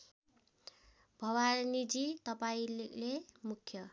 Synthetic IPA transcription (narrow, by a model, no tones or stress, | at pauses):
bʱʌwarnid͡zit̪ʌpaĩlemukʰːjʌ